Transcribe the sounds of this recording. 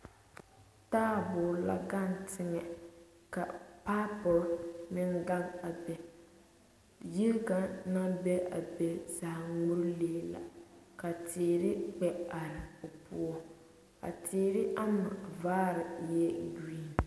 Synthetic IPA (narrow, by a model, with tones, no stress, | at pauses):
taː˦˨bʊː˨ɾla̰˦ɡa˦n˨tʰɪ˦ŋɛ˨ | ka˨pa˦pɔ˨lnɪ˦nɡa˦ba˨bɛ˨ | ji˦lɡa˨na˦bɛ˦ʔa˨bɛ˨za˨hŋu˦ɾleː˦la̰˨ka˨tiː˨ɾɪ˦k͡pɛ˨a˨ɾɪ˨o˨pṵ˦ɔ˦ | ka̰˨tʰiː˦ɾɪ˦ʔa˦ma˨vaː˦ɾɪ˨jɛ˦diː˦n˨